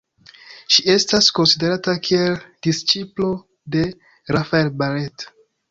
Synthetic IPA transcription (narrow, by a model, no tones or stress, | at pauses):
ʃie̞stasko̞nside̞ɾatakʰie̞ld̥ist͡ʃiplo̞ | de̞ | ɾafaelbaɾet